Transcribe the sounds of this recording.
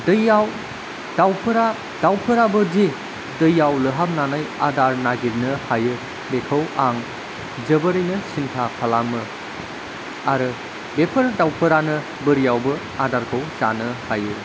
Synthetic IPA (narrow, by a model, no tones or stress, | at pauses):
dɯjaw | dawpʰɯɾa | d̥awpʰɯɾabɯzi | dɯjawlɯɦap̚nanaja̰daɾnaɡiɾnɯhajɯ | bekʰəwaŋ | zɯbəɾɯjnɯsintʰakʰalamɯ | aɾɯ | bepʰɯɾdawpʰɯɾanɯ | bɯɾijawbɯ | adaɾkʰɯwsanɯhajɯ